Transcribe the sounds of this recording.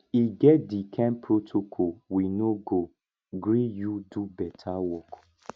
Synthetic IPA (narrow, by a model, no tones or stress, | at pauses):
iɡɛt̚dikʰɛ̃npɾotʰokʰɔwinoɡo | ɡɾijudubɛtʰawɔk